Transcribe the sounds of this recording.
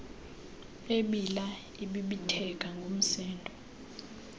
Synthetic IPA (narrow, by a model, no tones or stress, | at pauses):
eɓila | iɓiɓitʰɛk̬ʼaŋɡʱom̩sɛːndʱɔ